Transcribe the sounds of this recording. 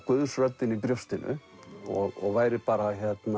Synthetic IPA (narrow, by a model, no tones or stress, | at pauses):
kœðsɾœt̪ːɪnipɾjowst̪ɪnʔʏ̰ | ɔɣɔɣvaːjɾɪpaːɾaçjɛt̪na